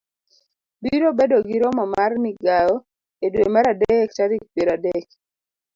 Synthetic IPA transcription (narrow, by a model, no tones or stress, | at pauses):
biɾobedoɡiɾɔmamarmiɡajɔ | edwemaɾadek̚t͡ʃaɾik̚peɾadɛk